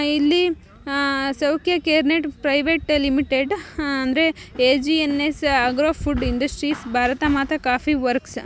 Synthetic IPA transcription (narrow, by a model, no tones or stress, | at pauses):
ilːi | sɐwkʰjɐkeːɾneʈpɾɐjʋeʈlimiʈeɖɐnd̪ɾeeːd͡ʒienesɐɡɾoːpʰuɖiɳɖɐsʈɾiːsbʱaːɾɐt̪amaːt̪ʰɐkaːpʰiʋɐɾks